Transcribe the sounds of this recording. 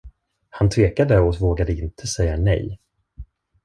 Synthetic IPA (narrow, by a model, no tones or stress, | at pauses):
hant̪ʰveːkad̪əɔvoːɡad̪əɪnt̪ʰəsɛjːanɛ̰j